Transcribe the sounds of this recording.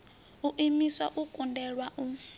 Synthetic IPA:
uʔimiswa̰ʔukʼundɛɺwaʔu

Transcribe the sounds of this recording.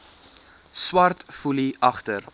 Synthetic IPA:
swɐrtfuliɐχtər

